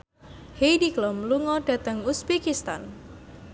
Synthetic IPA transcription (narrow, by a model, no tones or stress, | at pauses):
hejdiklɔmluŋɔɖ̥a̤t̪əŋusbikist̪a̰n